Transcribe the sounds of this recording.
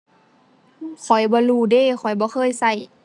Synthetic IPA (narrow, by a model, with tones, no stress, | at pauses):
kʰɔ˨˩jbɔː˧˦luː˧˩deː˧˥˨xʰɔ˨˩jbɔː˧˦xʰɤː˧˥˨jsa˧˩j